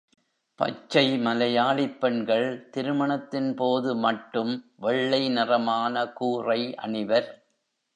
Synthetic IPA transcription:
pɐ̰t͡ʃːɐɪmɐlɐjaːɭɪpːɛɳɡɐɭt̪ɪɾɯmɐɳɐt̪ːɪnpoːðɯmɐʈːɯmʋɛɭːɐɪnɪrɐmaːnɐkuːrɐɪʔɐ̰ɳɪʋɐɾ

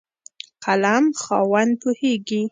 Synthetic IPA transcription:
qalamxɑwand̪̚poheɡi

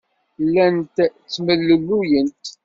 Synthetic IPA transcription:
lːænt̪t͡sːməlːəlːujənt̪

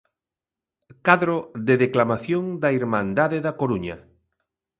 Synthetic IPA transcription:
kaðɾoðeðeklamaθjoŋd̪aiɾmãnd̪aðeðakoɾuɲa

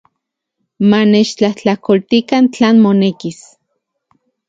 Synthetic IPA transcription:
manet͡ʃt͡ɬaht͡ɬakolt̪ikant͡ɬaːnmonekis

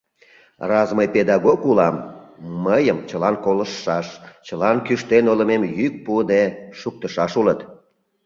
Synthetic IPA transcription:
rɑzməjped̪ɑɣokulɑmː | əjəmt͡ɕəlɑnkoləʃːɑʃt͡ɕəlɑnkyʃt̪enoləmemjyk̚pud̪eʃuk̚t̪əʃɑʃulət̪

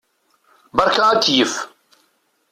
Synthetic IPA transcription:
bɑɾˤkaat͡sːjəf

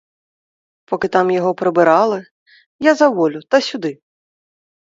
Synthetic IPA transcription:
pɔkɪt̪amjɔɦɔpɾɪbɪɾɑlˠɪ | jazɐʋɔlʲʊt̪ɐsʲʊd̪ɪ

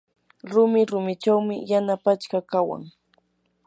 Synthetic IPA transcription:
ɾʊmɪɾʊmɪt͡ʃawmɪ̰janapat͡ʃkakawa̰ŋ

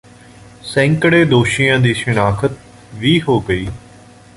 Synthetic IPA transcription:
sɛ̃ŋkəɽeːd̪oːʃijãːd̪iːʃənaːkʰət̪̚ | ʋiːɦoːɡəiː

